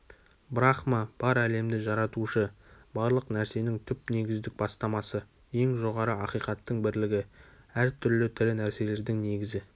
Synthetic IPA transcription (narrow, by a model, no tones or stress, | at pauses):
bɾɑχmɑb̥ɑɾæle̞md̪ɪʒɑɾɑt̪uʃə | bɑɾlˠəqnæɾse̞nɪŋt̪ʰʏpne̞ɡʲɪzd̪ɪk̚bɑst̪ɑmɑsə | je̞ŋʒo̞ʁɑɾəɑqijqɑt̪ːəɴbɪɾlɪɡʲɪ | æɾt̪ʰʏɾlɪt̪ʰɪɾɪnæɾse̞le̞ɾd̪ɪŋne̞ɡʲɪzɪ